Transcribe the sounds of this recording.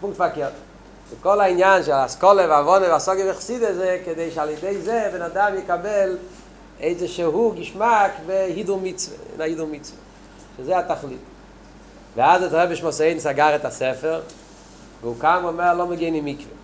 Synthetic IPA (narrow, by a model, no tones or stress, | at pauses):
pʊŋktfakɛːɐt | sɪkɔlˠaɪnjanʃ̬askɔlˠəvavɔnəvasɔɡəvɪχsidəzekɛdeɪʃalˠjədeɪzevɪnadamjəkabɛlˠ | eɪzɪʃɛhuɡɪʃmakvehidʊlˠmit͡svə̰ɪ̰najidʊlˠmit͡svə | ʃɪzeɪataχlˠit | vɪazetʁɛbɪʃmɔseɪdn̩saɡaʁətasɛfəʁ | vuːkaməmɛlˠɔməɡeɪnɪmɪkvə